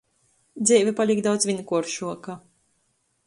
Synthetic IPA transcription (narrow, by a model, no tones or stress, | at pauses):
d̪zɛːvʲɛpalʲikd̪awt̪svinkuɔɾʃuɔka